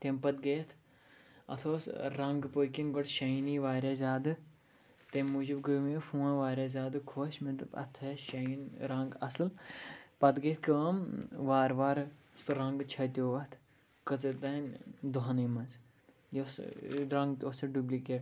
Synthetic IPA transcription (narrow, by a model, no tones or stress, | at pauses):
t̪ʲempɐt̪̚ɡeːt̪ʰ | ɐ̰t̪ʰoːsɾɐŋɡpokinɡoʈʃɐiniːʋaːɾʲaːzʲaːd̪ɨ | t̪emmud͡ʒubɡəmifũːãʋaːɾʲaːzʲaːd̪ɨkʰoːʃmɐt̪bɐ̰t̪ʰɐʃɐinɾɐ̃ŋɡɐsɨlpɐd̪ɡeːt̪ʰkɐːmʋaːɾʋaːɾ | sɾɐŋɡt͡ʃʰɐt̪ʲoːʋɐt̪ʰ | kɐt͡sɨt̪ɐnd̪oɦɐnimɐz | josɾɐ̃ŋɡt̪osɐɖubliːkeːʈ